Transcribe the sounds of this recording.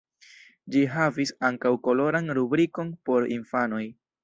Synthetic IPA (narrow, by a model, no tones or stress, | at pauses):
d͡ʒiɦavisaŋkawko̞lo̞ɾanɾubɾiko̞npo̞ɾḭnfano̞j